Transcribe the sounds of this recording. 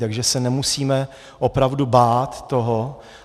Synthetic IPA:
t̪aɡʒɛsɛnɛmusiːmɛ | ʔo̞pɾavdubaːt̪ːoɦo

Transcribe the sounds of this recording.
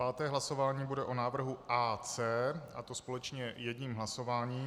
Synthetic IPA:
aːt̪ɛːɦlaso̞vaːɲiːbudɛʔonaːvr̩ɦuʔaːt͡sɛːʔat̪o̞spo̞lɛt͡ʃɲɛjɛdɲiːmɦlaso̞vaːɲiː

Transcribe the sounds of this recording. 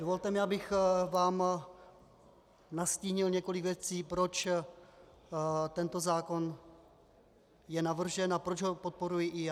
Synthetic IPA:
dovolt̪ɛmɪabɪxvaːm | nasciːɲɪlɲɛko̞lɪkvjɛt͡siːpɾo̞t͡ʃ | t̪ɛnt̪o̞zaːko̞n | jɛnavr̩ʒɛnapɾod͡ʒɦopot̪̚po̞ɾujɪʔɪja

